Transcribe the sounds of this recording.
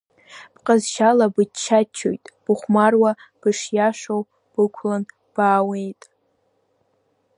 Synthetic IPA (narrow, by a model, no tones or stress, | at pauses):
b̥qʼazʃalabɨt͡ʃʰːat͡ʃʰo̰jtʼb̥ɨχʷmarwab̥ɨʂjaʂow | b̥ɨkʷʰlan | b̥aːwe̞jtʼ